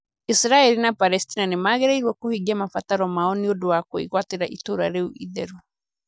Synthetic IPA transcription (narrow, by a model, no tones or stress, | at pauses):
isɾaɛlinapalɛstinanemaːɣeɾaiɾwɔkohiɣiamafataɾɔmaɔniodowakoiɣwateɾaʔitoɾaɾeuʔiðɛɾu